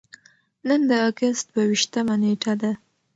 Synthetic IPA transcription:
nənd̪əɑɡast̪wawiʃt̪əmaneʈʰad̪a

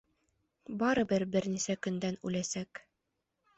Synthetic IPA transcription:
bɑɾɤ̆bɘɾbɘɾnisækɵ̆nd̪ænʉlæsæk

